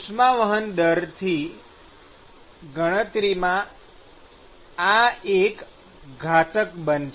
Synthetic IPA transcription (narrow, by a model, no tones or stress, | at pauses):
smãʋəɦənd̪əɾt̪ʰi | ɡʱəɽ̃ət̪ɾimã | aek | ɡʱat̪əkbənt͡ʃ